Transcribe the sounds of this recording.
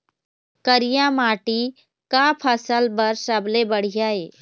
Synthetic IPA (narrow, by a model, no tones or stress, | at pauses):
kəɾijamaːʈi | kapʰəsəlbəɾsəblebəɽ̤ijaeː